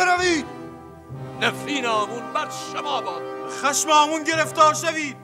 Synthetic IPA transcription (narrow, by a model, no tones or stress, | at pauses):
eɾæviːd̪̚ | næfɾiːnɒːmunbæɾʃomɒːbɒːd̪xæʃmɒːmunɟeɾeft̪ɒːɾʃæviːd̪̥̚